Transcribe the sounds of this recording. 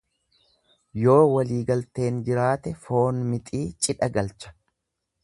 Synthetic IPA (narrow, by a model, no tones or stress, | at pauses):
jo̞ːwɐliːɡɐlt̪e̞ːnd͡ʒɪɾaːt̪ɛfo̞ːnmɪt̪ʼiːt͡ʃʼɪᶑɐɡɐlt͡ʃɐ̥